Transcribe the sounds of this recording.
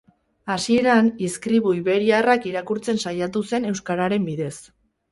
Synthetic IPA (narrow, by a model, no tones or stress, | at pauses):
asie̞ɾaniskɾiβuiβe̞ɾiarakiɾakuɾt͡se̞nsajat̪use̞ne̞wskaɾaɾe̞mbiðe̞s